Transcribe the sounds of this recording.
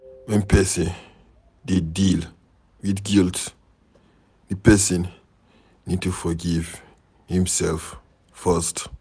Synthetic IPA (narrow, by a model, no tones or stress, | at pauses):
wɛ̃npʰɛsə̃n | did̚dil | widɡilt | ðɨpɛsə̃n | nid̚tufɔɡiv | hĩmsɛlf | fəst